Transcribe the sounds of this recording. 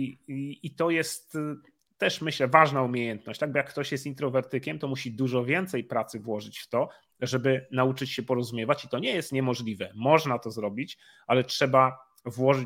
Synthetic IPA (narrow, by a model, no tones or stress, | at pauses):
it̪ɔjɛst̪ː | ɛʂmɘɕlɛvaʐnaumʲejɛnt̪̚nɔ̰ɕt͡ɕt̪aɡ̚bɔjakːt̪ɔɕjɛst̪int̪ɾɔvɛɾt̪ɘkʲɛmt̪ɔmuɕid̪uʐɔvʲjɛnt̪sɛjpɾat̪sɘvwɔʐɘt͡ɕft̪ɔ | ʐɛbɘnaut͡ʂɘt͡ɕɕɛpɔɾɔzumʲjɛvat͡ɕit̪ɔɲɛjɛst̪ɲɛmɔʐlʲivɛmɔʐnat̪ɔzɾɔbʲit͡ɕ | alɛtʂɛba | vwɔʐɘ